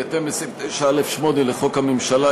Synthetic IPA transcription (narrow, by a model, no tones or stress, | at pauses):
at̪embesʁimvet̪ejʃaelefʃmo̞neleχo̞khamimʃala